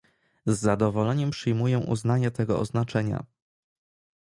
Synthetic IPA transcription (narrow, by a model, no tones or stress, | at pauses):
zːad̪ɔvɔlɛɲɛmpʂɘjmujɛ̃ʔṵznaɲat̪ɛɡɔɔznat͡ʂɛɲa̰